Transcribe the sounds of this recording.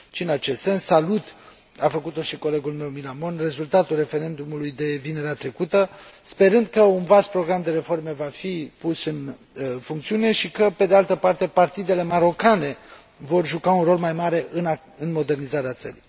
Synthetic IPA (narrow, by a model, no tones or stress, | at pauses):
ʃiɨnat͡ʃe̞st̪se̞nsːalut̪ | afəkut̪o̞ʃiko̞le̞ɡulme̞wmilamo̞nre̞zult̪at̪ulre̞fe̞ɾe̞nd̪umulujd̪e̞vine̞ɾeat̪ɾe̞kut̪əspe̞ɾɨnd̪̚kəunvaspɾo̞ɡɾamd̪e̞ɾe̞fo̞rme̞vafipusɨn | fuŋkt̪siune̞ʃikəpe̞d̪ealt̪əpart̪e̞part̪id̪e̞le̞maɾo̞kane̞ | vo̞rʒukaunro̞lmajmaɾe̞ʔɨnɨnmo̞d̪e̞rnizaɾeat̪sə̰ɾḭj